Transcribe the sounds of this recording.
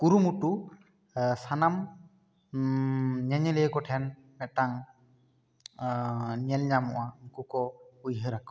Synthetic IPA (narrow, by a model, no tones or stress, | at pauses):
kuɾumuʈu | sanam | ɲɛɲɛlɛjkɔʈʰɛn | mɛʈaŋ | ɲɛlɲamɔ̰ʔakukɔujɦəɾak